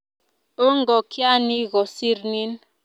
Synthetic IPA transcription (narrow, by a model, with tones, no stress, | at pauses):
o˦ŋ˨ɡɔ˨kʰja˦ni˦ɣɔ˨si˦ɾni˦n